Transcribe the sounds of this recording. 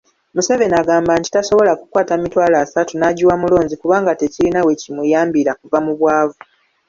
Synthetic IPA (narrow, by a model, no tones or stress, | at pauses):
museβe̞naɡaːmbanti̥taso̞βo̞lakukwaːtamitwaːlaːsatunaːɟuwamulo̞ːɲzikuβaːŋɡate̞cilinawe̞cimwujaːmbiɾakuvamuβwaːvu